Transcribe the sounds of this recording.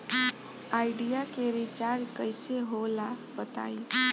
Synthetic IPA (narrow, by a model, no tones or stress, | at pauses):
aːɪɖijakeɾɪt͡ʃaɾɖkəɪseɦolabət̪a̰ːi